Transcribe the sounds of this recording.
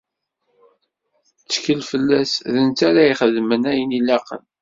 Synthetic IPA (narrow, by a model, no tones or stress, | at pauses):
t͡sːkəlfəlːæsðənt̪aɾaiχəðmənæjənilæqə̰n